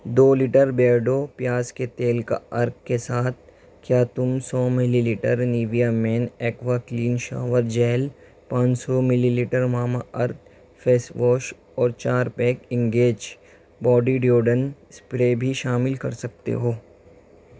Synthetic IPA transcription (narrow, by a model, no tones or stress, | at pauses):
d̪oːlɪʈəɾbɛːɖopjaːsket̪eːlka̰ɐɾk̚kesaːt̪̚ʰ | kjaːt̪ʊmsɔːmɪliliːʈəɾniːʋijamɛːnɛːkʋakliːnʃa̰ːʋəɾd͡ʒɛːl | pãːt͡ʃsɔmɪliliːʈəɾmaːmaʔɐɾt̪̚ | fʰeːsʋɔːʃ | ɔːɾt͡ʃaːɾpɛːkɪ̃ŋɡeːd͡ʒ | bɔːɖiɖjoːɖənspɾeːbʱiʃaːmɪlkɐɾsɐk̚t̪ḛɦoː